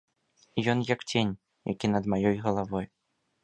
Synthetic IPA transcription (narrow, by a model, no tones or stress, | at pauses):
jɔnjɐkt͡sʲenʲ | ja̰kʲinɐd̪majɔjɣɐlˠavɔj